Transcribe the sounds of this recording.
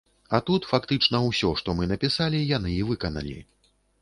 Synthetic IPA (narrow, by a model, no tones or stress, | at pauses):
ɐt̪ut̪fakt̪ɨt͡ʂnɐwsʲɔʂt̪ɔmɨnɐpʲisalʲijan̪ɨːvɨkɐnɐ̰lʲḭ